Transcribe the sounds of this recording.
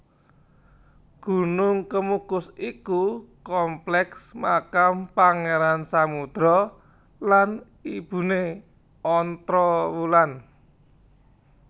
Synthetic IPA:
ɡ̥ṳnʊŋkəmukʊsikukɔmplɛksmakampaŋeɾansamud̪̥ɾɔ | lan | ib̥ṳne | ɔnt̪ɾɔwulan

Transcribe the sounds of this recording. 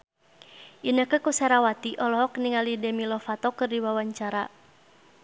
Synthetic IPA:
ʔinəkəkusɛɾawat̪iʔɔlɔɦɔkniŋalidɛmilɔfat̪ɔkɨrdiwawaɲt͡ʃaɾa

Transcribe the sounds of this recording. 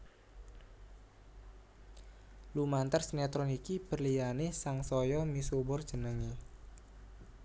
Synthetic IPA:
lumant̪ərsnɛt̪ɾɔnikib̥ərlijanɪsaŋsɔjɔmisubʊrd̥d͡ʒ̥ənəŋi

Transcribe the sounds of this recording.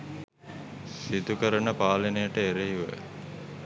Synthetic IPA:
sid̪ukəɾənəpaːlenejəʈəeɾeiʋə̰

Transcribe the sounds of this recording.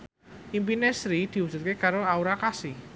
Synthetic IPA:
ʔimpinesɾid̪̥i̤usurkekaɾoauɾakasi

